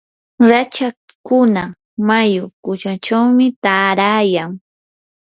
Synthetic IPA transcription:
ɾat͡ʃakʊna | majʊkʊt͡ʃat͡ʃawmɪt̪aːɾaːjaŋ

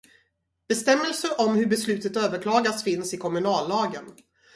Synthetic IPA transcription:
b̥ɛst̪ɛmːəlsəɾʔɔmhɵɾbɛslʉ̟ːt̪ət̪øːvəɾkʰlɑːɡasfɪnsɪkʰɔmɵnɑːlːɑːɡən

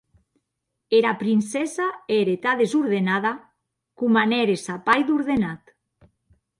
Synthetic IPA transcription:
eɾapɾinsesaeɾet̪aðezuɾðenaða | kumaneɾesapajðuɾðenat̪

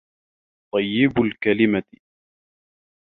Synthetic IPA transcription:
t̪ˤɑjːɪbʊlkalɪma

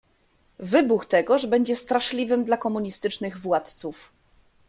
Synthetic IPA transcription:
vɘbuxt̪ɛɡɔʐbɛɲd͡ʑɛst̪ɾaʂlʲivɘmd̪lakɔmuɲist̪ɘt͡ʂnɘɣvwat̪t̪suf

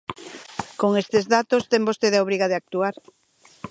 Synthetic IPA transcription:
koŋest̪ezðat̪ost̪eŋbost̪eðeaoβɾiɣaðeak̚t̪uaɾ

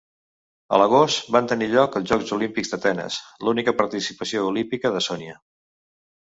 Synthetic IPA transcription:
ə̰ləɣ̞ost̪bant̪əniʎɔkəlˠʒɔkzulimpiɡzd̪ət̪ɛnə̰slunikəpəɾt̪isi̥pəsioulimpikəðəsɔniə

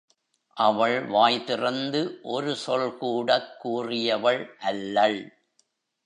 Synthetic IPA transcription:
ʔɐʋɐɭʋaːjt̪ɪrɐnd̪ɯʔɔɾɯsɔlkuːɽɐkːuːrɪjɐʋɐɭʔɐlːɐɭ

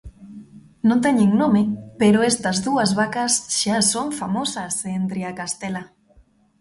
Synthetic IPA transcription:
nõnt̪̬ɛɲeŋnomɪpeɾoest̪ɐzðuɐzβakɐsʃasoɱfamosɐsent̪ɾeakast̪ela

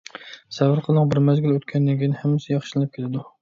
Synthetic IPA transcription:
sævɨɾqʰəlˠɨqbɪɾmæzɡʲyløt̪kʲʰɛnːɪŋɡʲinɪhæmːɪsɪjɑχʃɨlˠɨnɨp̚kʲelɪd̪u

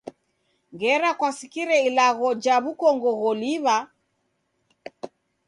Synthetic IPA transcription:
ŋɡɛɾakwasikiɾɛilaɣɔd͡ʒaβukɔŋɡɔɣɔliβa

